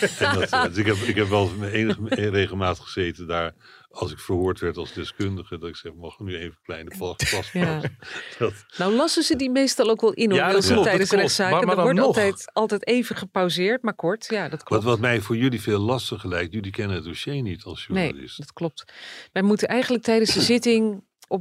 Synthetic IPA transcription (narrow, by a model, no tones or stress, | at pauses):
ɛndtdɪkɛpɪkɦɛpʋɛlˠmɛejnəχərejχəlˠmaːtə̥χəz̥ejtəndaːɹ | ɑlˠsɪkfəɹɦʊːɹtʋɛɹtɑlˠzdɛskʏndəχədɑtɪksɛχəmɑχənyejnvəklɛjnəpɑpɑsad̥ɑtnawlɑsənzədimejstɑlˠowkʋɛlˠʔɪnɔɪlˠətɛjdənsrɛtsaːədəɔɹɑltɛjtɑlˠtɛjtejvənχəpawzɪːɹtmaːɹkɔɹtjaːdɑtkʋɑ̃tʋɑtmɛjvʊːɹjɵliveːlˠːɑstəχəlɛjktjɵlikɛnənɦət̚doʃejnitʰɑlˠsjunejlɪ̰stdɑtklɔp̚tʋɛjmutənʔɛjχənlək̚tɛjdənsdəzɪtɪŋ | ʔɔ